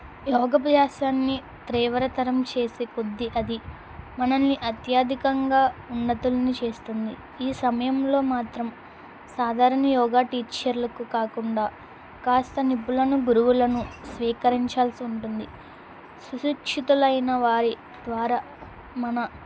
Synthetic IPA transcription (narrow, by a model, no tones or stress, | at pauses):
jɔːɡɐpɐdaːʃaːnːi | t̪ɾiːʋɐɾɐt̪ɐɾɐmt͡ʃe̞ːsekod̪ːiʔɐd̪i | mɐnɐnːiʔɐt̪jaːd̪ʱikɐŋɡaːunːɐt̪ulɐnit͡ʃe̞ːst̪und̪i | iːsɐmɐjɐmlo̞ːmaːt̪ɾɐm | saːd̪ʱaːɾɐnɐjɔːɡaːʈiːt͡ʃɐɾlɐkukaːkuɳɖaː | kaːst̪ɐnibːulɐnuɡuɾuʋulɐnusʋiːkɐɾiɲt͡ʃaːlsiuɳʈund̪i | suʃikʂit̪ulɐjnɐʋaːɾi | d̪̥ʋaːɾa | mɐnɐ